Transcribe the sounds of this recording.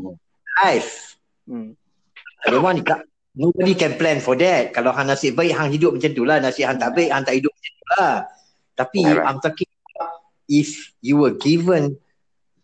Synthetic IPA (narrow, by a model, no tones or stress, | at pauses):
lajf | adəwãnit̪aʔ | nobədikɛ̃nplɛ̃nfɔdɛt̚kalawɦãŋnãsɪʔbajʔ̚ɦãŋhidʊp̚mãt͡ʃant̪ulanãsɪʔhãŋt̪aʔbeʔ̚hãŋt̪aʔhidʊp̚mãt͡ʃant̪ula | t̪apiã̰mt̪ɔkɪ̃ŋa | ifjuwəɡivə̃n